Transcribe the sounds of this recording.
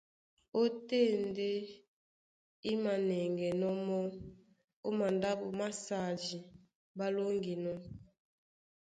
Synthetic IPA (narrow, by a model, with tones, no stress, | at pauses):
o˦te˦˨nde˦ | i˦ma˨nɛ˨ŋɡɛ˨nɔ˦mɔ˦ | o˦ma˨nda˦bo˨ma˦sa˨d͡ʒi˨ | ba˦lo˦ŋɡi˨nɔ˦